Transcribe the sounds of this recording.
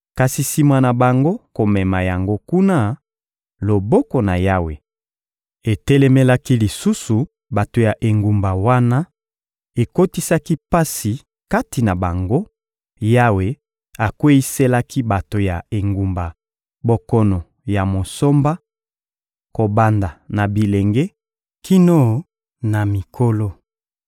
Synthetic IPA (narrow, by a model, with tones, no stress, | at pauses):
ka˨si˨si˨mwa˨na˨ba˨ŋɡo˦ko˨mɛ˨ma˨ja˨ŋɡo˦ku˦na˦ | lo˨bɔ˦kɔ˨na˨ja˦we˨ | e˨te˦lɛ˦me˦la˦ki˦li˨su˦su˨ | ba˨to˨ja˨ʔe˨ŋɡu˨mba˨wa˦na˦ | e˨ko˦ti˦sa˦ki˦pa˦si˨ | ka˦ti˨na˨ba˨ŋɡo˦ | ja˦we˨ | a˨kwe˦i˦se˦la˦ki˦ba˨to˨ja˨e˨ŋɡu˨mba˨ | bo˨kɔ˦nɔ˨ | ja˨mo˨so˦mba˦ | ko˨ba˨nda˨na˨bi˨le˨ŋɡe˦ | kʰi˦no˦˨ | na˨mi˨kʰo˦lo˦